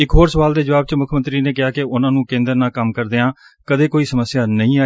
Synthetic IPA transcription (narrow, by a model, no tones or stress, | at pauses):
ɪkɦoːɾsəʋaːld̪eːd͡ʒəʋaːb̚t͡ʃmʊkʰmə̃nt̪ɾiːneːkɪaːkɪʊnãːnũːkẽːnd̪əɾnaːkəmkəɾd̪eːãː | kəd̪eːkoːiːsəməsːjaːnəĩːaː